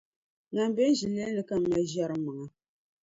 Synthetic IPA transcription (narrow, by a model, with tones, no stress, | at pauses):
ŋa˨m˦bɛ˦n˦ʒi˨lːe˦nɨ˦ka˦m˨˦ma˨ʒɛ˦ɾɨ˦mɨ˨ŋa˨